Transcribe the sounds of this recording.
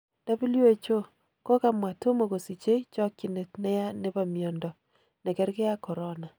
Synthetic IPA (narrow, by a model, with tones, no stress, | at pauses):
d̥a˦bu˦li˦e˦t͡ʃo˦ | kɔ˦ka˨mwa˨to˦mo˨ko˨si˨t͡ʃe˦t͡ʃɔ˦kːi˨ne˨tnɛ˦ja˦ne˦ba˨mjɔ˨ndɔ˨ | nɛ˨kɛ˦ɾke˦a˦kɔ˨ɾɔ˦na˨